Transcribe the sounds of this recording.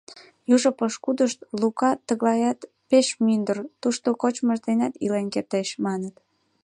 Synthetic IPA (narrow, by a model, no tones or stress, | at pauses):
juʒopəʃkud̪əʃt̪lukɑt̪əɣlɑjɑt̪ | peʃmynd̪ərt̪uʃt̪okot͡ɕməʃd̪enʲɑt̪ilenkert̪eʃmɑnət̪